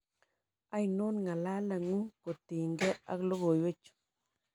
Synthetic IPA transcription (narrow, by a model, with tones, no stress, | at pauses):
a˦jno˦nŋa˨la˦la˨ŋu˦ko˨tɪ˨ŋɡɛ˦a̰˦klo˦ɣo˨jwe˦t͡ʃ